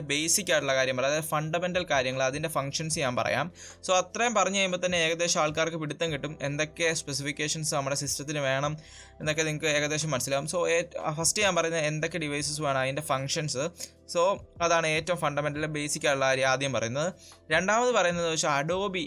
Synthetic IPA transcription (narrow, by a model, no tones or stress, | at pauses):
be̞jsikʲːaːjʈːuɭːɐkaːɾjɐmpɐrɐjɐðfɐɳɖɐme̞ndɐlkaːɾjɐŋːɐɭɐðinde̞fɐŋkʂɐnsɨɲaːnpɐrɐ̰ja̰ːm | so̞ːɐt̪rɐjɐmpɐrɐɲːut͡ɕejumboːt̪ɐnːe̞eːɣɐd̪e̞ːɕɐaːɭkaːrkɨpiɽit̪ːɐŋkiʈːume̞̰nd̪o̞kːe̞spesifikʲːe̞ːʂɐnsɨnɐmːɐɽesisʈrɐt̪ːinɨʋe̞ːɳɐm | enːo̞kːeniŋːɐkːɨe̞ːɣɐd̪e̞ːɕɐmːɐnɐsilaːumso̞ːefɐstɨɲaːnpɐrɐjunːɐðe̞nd̪o̞kːe̞ɖiʋɐjsɐsumaːɳɨɐðinde̞fɐŋkʂɐnsɨ | so̞ːɐðaːɳɨe̞ːtːɐʋɐmfɐɳɖɐme̞ndɐlilebe̞jsikʲːaːjʈuɭːɐkaːɾjɐmaːd̪ʱjɐɐmpɐrɐ̰junːɐðɨ | ɾe̞ɳɖaːmɐðɨpɐrɐjunːɐðɨʋeʂɐɐɽo̞ːbi